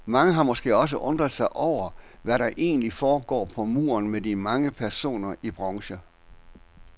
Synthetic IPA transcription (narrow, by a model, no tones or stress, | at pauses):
mɑ̈ŋəɦɑ̈mɔ̽sɡ̥e̝̰ːɒ̽s̬əʔɔ̽nd̥ʁɐðˠsɑ̈ɪʔɒʊ̰ɐʋæɾɑ̈ʔe̝̰ːnlifɒːɡ̥ɒ̰ːpʰɒ̽mṵːɐnmedimɑ̈ŋəpʰæɐso̝̰ːnɐib̥ʁɑŋɕə